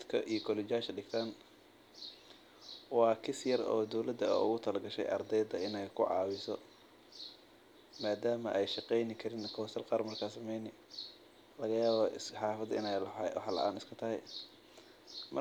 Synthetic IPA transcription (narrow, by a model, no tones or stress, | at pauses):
d̪kʰɐʔijɔkʰɔlɪt͡ʃaʃɐɖɪɡt̪ʰɐn | wɑːkʰɪsjɐɾɔ̰ːd̪ɔwlɐd̪ɐ̰ʊ̰ɣʊt̪ʰɐlɐɡɐʃɛ̰jɐ̰rd̪ɛjd̪ɐɪnɛjkʰʊʕɑ̰ːwɪsɔ | maːd̪aːmɐʔɛjʃɑqɛjnɪkʰɐɾɪnkʰɔːsɐlqɑːrmɐrkʰaːsɐmɛjnɪ | lɐɣɐjaːβɔsħɑːfɐd̪ɪ̰nɛjlwħlɐ̰ʔa̰ːnɪskʰɐt̪ʰɐɦɛ̰j | mɐ